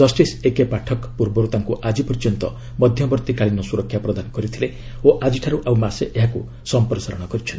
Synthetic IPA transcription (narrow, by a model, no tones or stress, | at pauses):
d͡ʒ̥ɔsʈisekepaʈʰɔkpuɾbɔɾut̪aŋkuʔad͡ʒipɔɾid͡ʒɔnt̪ɔ | mɔd̪ʱjɔbɔɾt̪ikaɭinɔsuɾɔkʰːjapɾɔd̪anɔkɔɾit̪ʰile | oʔad͡ʒiʈʰaɾuʔawmaseʔeɦaku | sɔmpɾɔsaɾɔɽ̃ɔkɔɾit͡ʃʰɔl